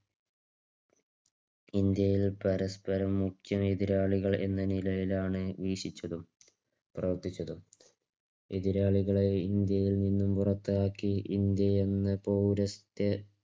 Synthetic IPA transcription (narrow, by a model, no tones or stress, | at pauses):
ind̪jɐjilpɐɾɐspɐɾɐmːuktjɐmeðiɾaːɭiɣɐɭe̞̰nːɐnilɐjilaːɳɨʋiːʂit͡ɕːɐðum | prɐʋɐrt̪it͡ɕːɐðum | eðiɾaːɭiɣɐɭeind̪jɐjilninːumpurɐt̪ːɨaːkːiʔind̪jɐjenːɨpoːɾɐst̪jɐ